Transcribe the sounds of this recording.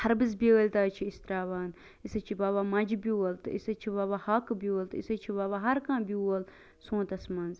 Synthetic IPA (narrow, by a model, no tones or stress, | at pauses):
hɐɾbɨzbiəːlʲt̪aːt͡ʃʰiist̪ɾaːʋaːn | isɐt͡ʃʰibaːβaːmɐd͡ʒbiɐlt̪ɨisɐt͡ʃʰibaːβaːhɐkbiwɐlt̪isɐt͡ʃʰibaːbaːɦɐɾkãːbiuɐl | sõːt̪ɐsmɐnz